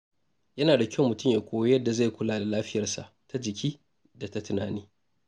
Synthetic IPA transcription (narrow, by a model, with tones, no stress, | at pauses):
jɐ˦naː˨da˨kʲɐ˦wmʊ˨tʊ˦mjaː˨kʷoː˦wa˦jɐ˦dːa˨za˦˨kʷʊ˦laː˨da˨laː˦ɸɪ˦jɐ˨rsa̰˨ʔtʰa˦d͡ʒɪ˨kʲiː˦ | da˨ta˦tʊ˨na̰ː˨niː˦